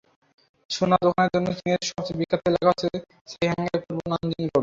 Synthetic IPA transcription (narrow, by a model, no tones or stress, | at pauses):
ʃonad̪okʰaneɾd͡ʑonːot̪inieʃɔbt͡ɕibikːap̪elɛkʰat͡ɕʰe | ʃejɦɛŋeɾkoɾbonand͡ʑinkoɾe